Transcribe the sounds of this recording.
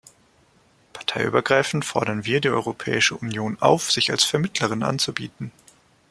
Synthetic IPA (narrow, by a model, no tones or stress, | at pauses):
pʰaɐtʰaɪʔy̰ːbɐɡʁaɪfn̩fɔɐdɾɐnviːɐdiːʔɔ̰ʏʁopʰɛ̰ːɪʃəʔunjoːna̰ʊfz̥ɪçalsfɛɐmɪtʰləʁ̞ɪnʔa̰nt͡subḭːtn̩